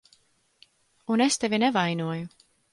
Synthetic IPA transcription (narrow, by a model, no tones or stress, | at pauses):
unest̪evʲinɛvajnuɔju